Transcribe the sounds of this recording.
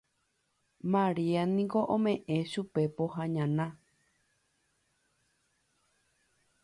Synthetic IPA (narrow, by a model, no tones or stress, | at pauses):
mãɾianĩŋkoʔõmẽʔẽʃupe̞poɦaɲãnã